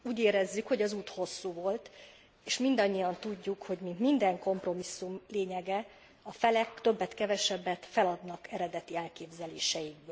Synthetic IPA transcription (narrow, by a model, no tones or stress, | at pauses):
uːɟeːɾɛzːykho̞ɟɒzuːt̪ho̞sːuːvo̞lt̪ | eːʃmind̪ɒɲːijɒnt̪uɟːukho̞ɟminmind̪ɛŋko̞mpro̞misːumleːɲɛɡɛ | ɒfɛlɛkt̪ø̞bːɛt̪kɛvɛʃɛbːɛt̪fɛlɒd̪nɒkɛɾɛd̪ɛt̪iɛlkeːbzɛleːʃɛjiɡ̚bøː